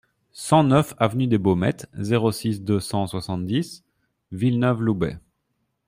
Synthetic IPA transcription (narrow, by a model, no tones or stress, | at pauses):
sɑ̃nœfavnyd̪ebomɛ̰t̪zeʁosisd̪øsɑ̃swasɑ̃t̪̚d̪is | vilnœvlubɛ̰